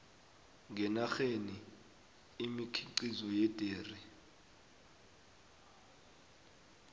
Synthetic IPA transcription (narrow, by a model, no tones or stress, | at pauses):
ŋɡɛnaxeniː | mikʰiǀizɔjɛd̥ʱʼeːri